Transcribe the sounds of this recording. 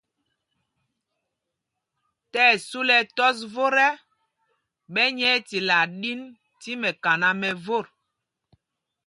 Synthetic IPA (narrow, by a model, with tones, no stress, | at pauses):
tɛː˦˨su˦lɛ˨tɔ˦s̬vo˦ɾɛ˦ | ɓɛ˦ɲɛ˦ti˨la˨ɗi˦n | ti˦mɛ˨ka˨na˦mɛ˨vo˦˨ɾ